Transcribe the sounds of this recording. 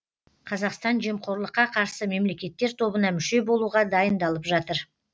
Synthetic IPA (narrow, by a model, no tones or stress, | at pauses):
qʰɑzɑqst̪ɑnʒiemqʰo̞ɾlˠəqːɑqʰɑɾsəme̞mle̞kʲe̞t̪ːe̞ɾt̪ʰo̞bənɑmʏʃe̞bo̞lˠuʁɑd̪ɑjənd̪ɑlˠəpʒɑt̪əɾ